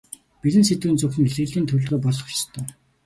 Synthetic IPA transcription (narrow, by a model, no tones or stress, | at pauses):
piɾɘ̆nset̪uːnt͡sʊxɘ̆niɮeːɮiːnt̪ʰɵɮʁœːpɔɮ̆χʊ̥t͡ɕ̆st̪ʰœː